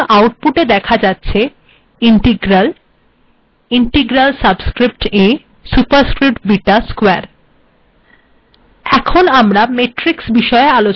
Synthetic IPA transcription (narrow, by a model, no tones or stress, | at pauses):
ʔawʈ̚puʈed̪ɛkʰad͡ʑatːɕʰe | iɳʈiɡɾal | iɳʈeɡɾalsabskɾip̚ʈe | supaɾskɾip̚ʈ̚biʈaskoeaɾ | ɛkʰonamɾameʈɾiksbiʃɔealot͡ɕ